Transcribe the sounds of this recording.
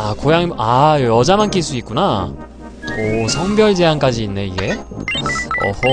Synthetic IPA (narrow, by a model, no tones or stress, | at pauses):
akojaŋajojʌd͡ʑamank͈iɭs͈uik̚k͈una | ʌsʰʌŋbjʌɭd͡ʑe̞ank͈ad͡ʑiːnːe̞iɡe̞ | ʌ̰